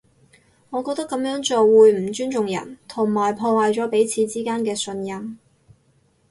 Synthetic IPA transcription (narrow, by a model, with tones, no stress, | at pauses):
ŋɔː˨˧kɔː˧k̚t̪ɐ˥kːɐ˨˥mjœː˨˥ŋt͡so˨wuː˨˧jm̩˨˩t͡ʃyː˥nt͡ʃʊ˨ŋjɐ̰˨˩nt̪ʰʊ˨˩ŋmaː˨˩jpʰɔː˧waː˨˧jt͡ʃɔː˨˥pe˨˥jt͡sʰiː˨˧t͡siː˥kaː˥nkɛː˧sɵ˧njɐ˧m